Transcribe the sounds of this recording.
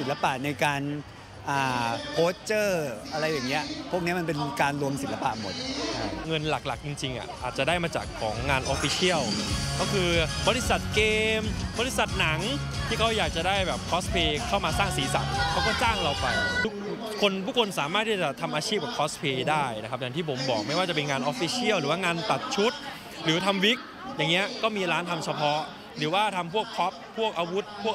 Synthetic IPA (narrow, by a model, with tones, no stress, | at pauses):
si˩nla˧pa˨˩ʔna˧jkaː˧n | ʔaː˨˩pʰoː˦˥t͡ɕɤː˥˩ʔa˧ɾa˧jːaː˨˩ŋːi˦˥ɐ˨˩ʔpʰu˥˩ək̚i˦˥ma˧npe˧nkaː˧nɾu˧əmsi˨˩˦nla˧pa̰˨˩ʔmo̰˨˩t̪̚ʰa˦˧ŋɤ˧nla˨˩k̚la˨˩k̚t͡ɕi˧ŋt͡ɕi˧ŋʔa̰˨˩ʔʔaː˨˩t̪̚t͡ɕa˨˩daː˥˩jmaː˧t͡ɕa̰ː˨˩kʰːɔ̰ː˩˦ŋːaː˧nʔɔ˧fi˧˥sʰi˥˩əwkʰɔ˥˩kʰɯː˧bɔː˧li˦˥sa˨˩t̪̚keː˧mbɔː˧li˦˥sa˨˩t̪̚na˩˦ŋ | t̪ʰiː˥˩kʰa˦˥wjaː˨˩k̚t͡ɕa˨˩daː˥˩jbɛː˨˩p̚kʰɔː˦˥spʰeː˧kʰa˥˩wmaː˧saː˥˩ŋsiː˩˦sa˨˩k̚kʰɛ˦˥wkɔː˥˩t͡ɕaː˥˩ŋɾa˧wpa˧jt̪ʰu˦˥k̚ | kʰo˧nt̪ʰuː˥˩kʰo˧nsaː˩˦maː˥˩t̪̚ʰːiː˥˩t͡ɕa˨˩t̪ʰa˧mʔaː˧t͡ɕʰiː˥˩p̚bɛː˨˩pkʰɔː˦˥spʰeː˧daː˥˩jna˦˥kʰa˦˥p̚jaː˨˩t̪ʰiː˥˩pʰo˩˦mbɔː˨˩k̚ma˥˩jwaː˥˩t͡ɕa˨˩pe˧nŋaː˧nʔoː˦˥fi˦˥sʰi˥˩əwɾɯː˩˦waː˥˩ŋaː˧nt̪a˨˩t̪̚t͡ɕʰu˦˥t̪̚ | ɾɯː˩˦t̪ʰa˧mwi˦˥k̚ | jaː˨˩ŋːi˦˥ɐkɔː˥˩miː˧ɾaː˦˥nt̪ʰa˧mt͡ɕʰa˧pʰɔ˦˥ | ɾɯː˩˦waː˥˩t̪ʰa˧mpʰu˥˩ək̚pʰɔ˦˥p̚ʰːu˥˩ək̚ʔaː˧wu˦˥t̪̚pʰu˥˩ə